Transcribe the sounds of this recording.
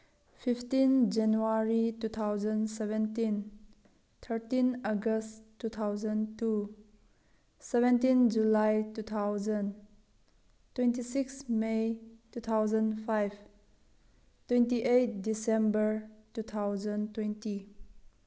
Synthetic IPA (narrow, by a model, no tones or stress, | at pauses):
fʰiptind͡ʒanuaɾitut̪ʰawzənsɛvɛ̃ntĩn | t̪ʰəɾtinəɡəsttːut̪ʰawzə̃ntu | sɛvɛ̃ntind͡ʒulajtut̪ʰawzə̃n | twɛntisiksmejtut̪ʰawzənpʰajb | twɛntiʔejt̚disɛ̃mbəɾtut̪ʰawzə̃ntwɛ̃nti